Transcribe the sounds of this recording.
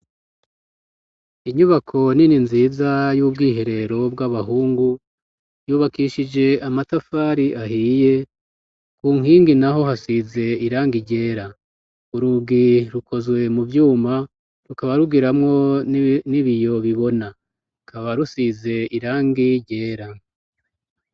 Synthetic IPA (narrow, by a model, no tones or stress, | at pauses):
iɲuβakʰo̞nininziːzajuːbɡiːɦe̞ɾe̞ɾo̞bɡaβaɦuːŋɡu | juːβakiʃid͡ʒe̞amatafaːɾiʔahiːje̞ | kuːŋhiːŋɡinaɦo̞ɦasize̞iɾaːŋɡiɟe̞ːɾa | uɾuɡiɾukʰo̞zwe̞muvjuːma | ɾukaβaɾuɡiɾamŋo̞niβijo̞βiβo̞na | ɾukʰaβaɾusize̞iɾaːŋɡiɟe̞ːɾa